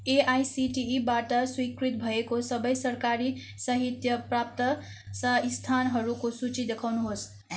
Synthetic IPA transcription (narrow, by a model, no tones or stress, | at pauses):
eajsiʈiːbaʈəswikɾit̪̚bʱəekosəbəjsəɾkaɾi | səɦit̪jəpɾap̚t̪ə | səist̪ʰanɦəɾukosut͡ʃid̪ekʰawnuɦos